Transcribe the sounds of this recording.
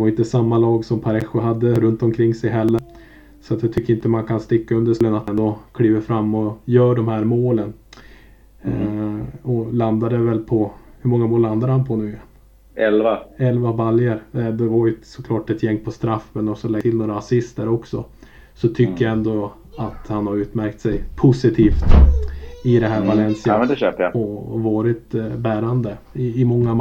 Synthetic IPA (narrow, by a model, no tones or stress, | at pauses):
d̪ɛaɾɪnt̪əsamːalɑːɡsɔmpʰaɾɛɧːʊɦad̪ːəɾɵnt̪ɔmkʰɾɪŋːsɛjɦɛlːəɾ | sɔat̪jaɑt̪ʰʏkːəɾɪnt̪əmankʰanst̪ɪkːaɵnd̪əʂlənat̪ɛnd̪ɔkʰliːvəɾfɾamːɔjœːɖɔmhæːɾmoːlən | ɔland̪ad̪əvɛlpʰɔhɵmɔŋːamoːlːand̪ad̪əhanpʰɔnʉ̟ːja | ɛlvaɛlvabaljəɾd̪ɛvaɾjɵsɔkʰlɑːʈɛt̪ʰjɛŋːpʰɔst̪ɾafːmɛnɔksɔlɛt̪ʰɪlnoːɾaːsɪst̪əɾɔksɔ̰ | sɔt̪ʰʏkːəjaɛnd̪o | at̪hanhaɾʉ̟ːt̪mæɾkt̪sɛjpʰʊsɪt̪ʰiːft̪ | ɪd̪ɛɦæːɾvalɛnsɪad̪ɛɕøːpəja̰ɔvɑːɾɪt̪bæːɾand̪ə | ɪɪmɔŋːa